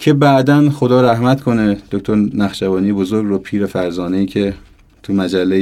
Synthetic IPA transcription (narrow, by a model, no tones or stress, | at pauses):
cʰe̞bæʔd̪ænxo̞d̪ɒːɾæhmæt̪kʰo̞ned̪̥ok̚t̪ʰoɾnæxʃævɒːnijebozoɾɡɾopʰiːɾefæɾzɒːneiːcʰe | t̪ʰumæd͡ʒælːe